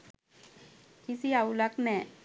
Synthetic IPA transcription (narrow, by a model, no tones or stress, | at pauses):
kisiaulaknɛ